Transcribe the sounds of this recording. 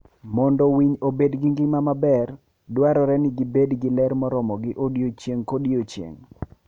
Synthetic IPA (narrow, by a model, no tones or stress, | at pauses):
mɔndɔwiɲobedɡiŋɡɪmamabɛr | dwaɾɔɾɛnɪɡɪbedɡɪlɛɾmɔɾɔmɔɡɪʔodjot͡ʃjeŋkodjot͡ʃjḛŋ